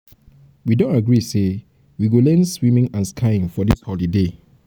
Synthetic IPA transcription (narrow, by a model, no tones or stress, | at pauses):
widõntaɡɹise | wiɡolɛ̃nswĩmĩŋãnskʰaĩŋfɔdishɔlide